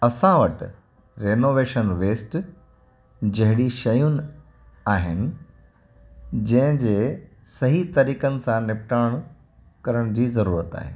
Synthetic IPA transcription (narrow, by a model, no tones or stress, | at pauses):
ɐsãʋɐʈ̆ | ɾeːnoːʋeːʃənʋeːsʈ | d͡ʑɐɦɪɽiʃɐjʊnɪ̆ | aːɦɪnɪ̆ | d͡ʑɐ̃ɦɪ̃d͡ʑeː | sɐɦit̪ɐɾiːkənɪ̆sãnɪpʈaːɽ̃ | kɐɾəɽ̃d͡ʑiːzɐɾuːɾət̪a̰ːɦḛː